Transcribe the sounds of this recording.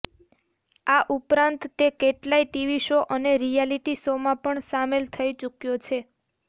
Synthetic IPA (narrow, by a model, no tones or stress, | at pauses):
aʔupɾãnt̪ːekeʈlaiʈiʋiʃoʔəneɾijaliʈisomãpəɳsamelt̪ʰəit͡ʃukjot͡ʃʰe